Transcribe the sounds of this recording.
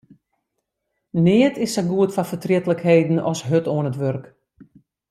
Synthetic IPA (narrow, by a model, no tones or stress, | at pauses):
nɪətʰɪsɛɡuətfafətrɪətləkheːdn̩ɔsɦøtoənətʋørk